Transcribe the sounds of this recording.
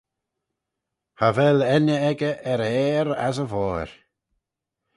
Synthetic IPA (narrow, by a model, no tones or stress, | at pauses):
havɛlɛnəɛɡəʔɛɾɛːɾas̬əvɔːɹ